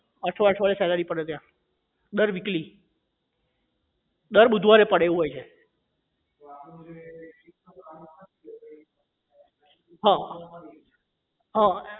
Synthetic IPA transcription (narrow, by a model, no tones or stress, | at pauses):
əʈʰʋaʈʰʋalesɛlaɾipəɽet̪jã | d̪əɾʋikli | d̪əɾɓud̪ʱʋaɾepəɽeʋũɦojt͡ʃʰe | ɦã | ɦã